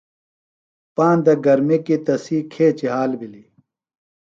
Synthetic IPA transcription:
paːnd̪ɐɡɐɾmikit̪ɐsiːkʰeːt͡ɕiɦaːlbili

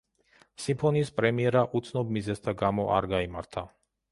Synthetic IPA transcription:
simpʰɔniːspʼɾɛmiɛɾaʔut̪sʰnɔbmizɛst̪ʰaɡamɔʔa̰ɾɡaimaɾt̪ʰa

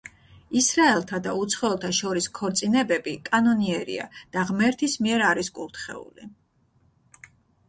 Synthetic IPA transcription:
isɾaɛlˠt̪ʰad̪aut̪sʰχɔɛlˠt̪ʰaʃɔɾiskʰɔɾt̪sʼinɛbɛbikʼanɔniɛɾḭa̰d̪̥aʁmɛɾt̪ʰismiɛɾaɾiskʼuɾt̪ʰχɛ̰ṵli

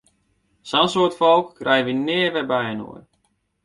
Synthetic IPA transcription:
sɔnsoːətfɔlˠkːrɛjəʋinɪːərʋɛbɛjəno̰ər

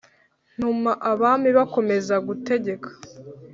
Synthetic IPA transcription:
n̥umaʔaβaːmiβako̞me̞zaɡute̞ɟe̞kʰḁ

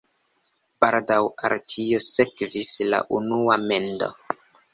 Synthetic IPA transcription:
b̥aɾdawa̰ɾtʰio̞se̞kvisla̰ʔunuame̞ndo̞̰

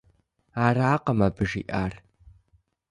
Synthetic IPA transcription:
aːraːqɐmɐbɨʒḭʔaːr

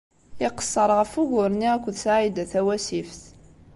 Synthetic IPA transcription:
ɪqə̥sˤːəɾˤʁəfuʝʊɾniækʷːðsʕid̪æθæwæsifθ

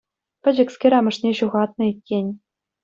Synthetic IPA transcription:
pʲɘ̆d͡ʑɘ̆kskʲeɾʲɑmɤ̆ʂnʲeɕuʁɑt̪̚nɤ̆itʲːenʲ

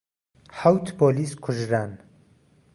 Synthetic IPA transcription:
hawt̪ʰboːliskʰʊʒɾan

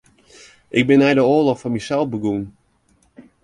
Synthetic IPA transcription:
ʔɪɡ̚bɪnːɛjdəoːlɔxfɔnmisɛlˠfbəɡun

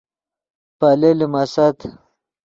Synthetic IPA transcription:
palelimasat̪

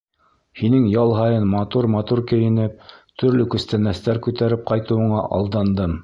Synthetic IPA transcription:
hinɘŋjɑlˠɦɑjɤnmɑt̪uɾmɑt̪uɾkɘ̆jɘ̆nɘp̚t̪ʰɵ̆ɾlɵkɵ̆st̪ænæst̪æɾkʉt̪æɾɘp̚qɑjt̪ɤ̆wɤ̆ɴɑʔɑ̰lˠd̪ɑnd̪ɤm

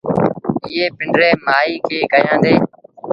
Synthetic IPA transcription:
ɪːeːpɪɳɖɾeːmaːiːkʰeːkəjãːd̪eː

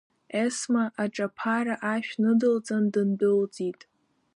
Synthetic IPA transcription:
esmaʔaʈ͡ʂʼapʰaɾaʔaʃᶣnɨdɨld͡zʼandɨndɨld͡zitʼ

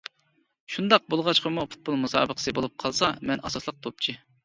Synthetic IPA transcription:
ʃund̪ɑq̚bolˠʁɑt͡ʃqɑmupʰu̥t̪̚bolˠmusɑ̰ːbəqʰə̥sɨbolˠup̚qʰɑlˠsɑmɛnʔɑsɑslˠəq̚t̪ʰop̚t͡ʃʰi

